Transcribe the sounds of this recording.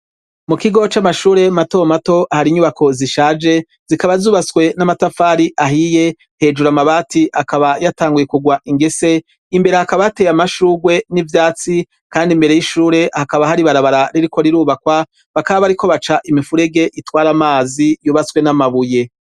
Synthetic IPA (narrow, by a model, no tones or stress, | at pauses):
mukiɡo̞t͡ʃamaʃuːɾe̞mato̞mato̞ʔahaɾiɲuβako̞ziʃaːd͡ʒe̞ | z̥ikaβazuːβaswe̞namatafaːɾiʔaɦije̞ | he̞ːd͡ʒuɾamaβaːtiakaβajataːŋɡujekuɡwaʔiŋɡe̞se̞ | imbe̞ɾehakaβajate̞jamaʃuːɡwe̞nivjaːt͡si | kaːndimbe̞ɾe̞jiʃuːɾe̞ʔhakaβahaɾiβaɾaβaɾaɾiɾiko̞ɾiɾuːβakwa | βakaββaɾiko̞βat͡ʃaʔimifuɾe̞ɡe̞ʔitwaːɾamaːzijuːβaswe̞namaβuje̞